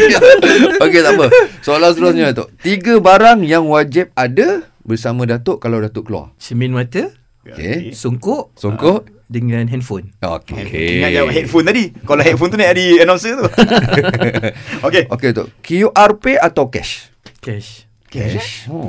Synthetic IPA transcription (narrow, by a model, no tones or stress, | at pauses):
oket̪apəsoalast̪əɾʊs̬ɲaat̪ʊ̰ʔt̪iɡəbaɾaŋjaŋwad͡ʒɪp̚ada | bərsamãdat̪ʊʔkalawdat̪ʊʔkəlua̰rt͡ʃəmĩnmat̪ə | okḛsuŋkʊʔsuŋkʊʔ | dəŋãnɦɛnfono̰kkḛajaʔɦɛt̪̚font̪adikalaɦɛt̪̚font̪uniadiənãmsət̪u | okeokeat̪o̰ʔkiuʔarpeat̪awkɛ̰ʃ | kɛ | k